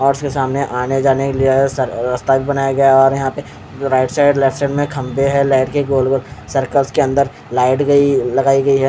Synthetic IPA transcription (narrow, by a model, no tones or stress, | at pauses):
ɔːɾskesaːmneʔaːned͡ʒaːnekelisɐɾɾɐst̪abʱibɐnaːjaɡɐjaɔːɾjɐɦãpe | ɾaːɪʈsaːɪɖlɛfʈsɛɪɖmẽkʰɐ̃mbeɦɛlaːɪʈkeɡoːlɡolsɐɾkəlskeɐ̃nd̪əɾ | laːɪʈɡɐilɐɡaːiɡɐiɦɛ